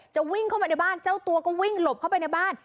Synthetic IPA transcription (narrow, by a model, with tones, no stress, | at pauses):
t͡ɕa˨˩wi˥˩ŋkʰa˥˩wpa˧jna˥˩baː˥˩nt͡ɕa˥˩wt̪u˧ɐkɔː˥˩wi˥˩ŋlo˨˩p̚kʰa˥˩wpa˧jna˥˩jbaː˥˩n